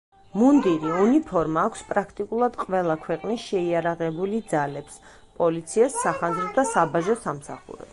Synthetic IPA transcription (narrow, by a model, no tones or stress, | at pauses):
mund̪iɾiunipʰɔɾmaːkʰʷspʼɾakʰt̪ʼikʼulˠad̪qʼvɛlˠakʰwɛqʼnisʃɛiaɾaʁɛbulid̪zalɛps | pʼɔlit̪sʰiɛsːaχanzɾɔd̪asabaʒɔsamsa̰χṵɾɛ̰